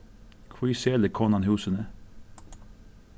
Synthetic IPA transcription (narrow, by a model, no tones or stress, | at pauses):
kʰwiːseːləkʰɔnɑnhʉːsənə